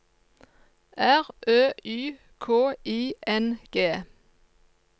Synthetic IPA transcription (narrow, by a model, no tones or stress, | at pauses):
ʔæʁʔøːyː | kʰoːʔiːʔɛnɡ̥eː